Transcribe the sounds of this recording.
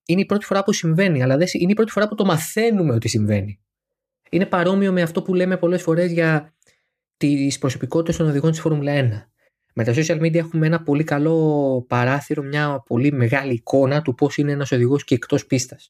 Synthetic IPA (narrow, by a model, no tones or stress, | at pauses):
ineipɾo̞t̪ifo̞ɾɐpusiɱve̞niɐlɐðesiineipɾo̞t̪i̥fo̞ɾɐput̪o̞mɐθe̞nume̞o̞t̪isiɱve̞ni | ine̞pɐɾo̞mio̞me̞ɐft̪o̞pule̞me̞po̞le̞sfo̞ɾe̞zʝɐ | t̪ispɾo̞so̞piko̞t̪it̪est̪o̞no̞ðiɣont̪isfo̞ɾmulɐe̞nɐ | me̞t̪ɐso̞siɐlmid̪iɐe̞xumee̞nɐpo̞likɐlo̞pɐɾɐθiɾo̞mɲɐpo̞lime̞ɣɐliːko̞nɐt̪upo̞sine̞enɐso̞ðiɣo̞scekt̪o̞spist̪ɐs